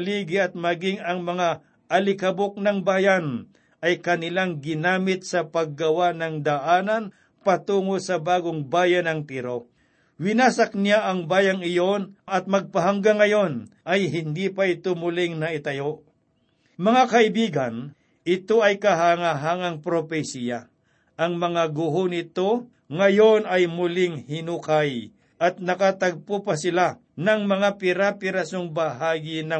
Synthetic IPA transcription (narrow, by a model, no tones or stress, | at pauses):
liːɡɪɐt̪̚mɐɡɪŋɐŋmɐŋa | ʔɐlɪkɐbok̚nɐŋbaːjɐn | ʔɐjkɐnɪlaŋɡɪnaːmɪt̪sɐpɐɡ̚ːɐwanɐŋd̪ɐʔaːnɐn | pɐt̪uːŋosɐbaːɡoŋbaːjɐnɐŋt̪iɾo̞ | wɪnaːsɐk̚nɪaʔɐŋbaːjɐŋɪjo̞nʔɐt̪̚mɐɡ̚pɐɦɐŋɡaŋɐjo̞nʔɐjhɪnd̪ipɐɪt̪omʊlɪŋnɐʔɪt̪ɐjoʔ | mɐŋakɐɪbiːɡɐn | ʔɪt̪o̞ɐjkɐɦaŋaɦaŋɐŋpɾopɛsija | ʔɐŋmɐŋaɡʊɦonɪt̪o̞ | ŋɐjo̞nɐjmʊlɪŋhɪnuːkaj | ʔɐt̪̚nɐkat̪ɐɡ̚pupɐsɪla | nɐŋmɐŋapɪɾapɪɾɐsoŋbɐɦaːɡɪnɐ